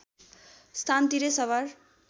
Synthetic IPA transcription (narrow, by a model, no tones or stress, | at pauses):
st̪ʰant̪iɾesʌβar